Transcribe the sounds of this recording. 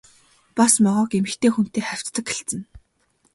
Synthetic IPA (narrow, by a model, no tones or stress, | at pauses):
pasmɔʁɔːkemɘ̆xt̪ʰeːxun̥t̪eːχæw̥ʲt͡st̪ə̆kxĕɬt͡sɘ̆n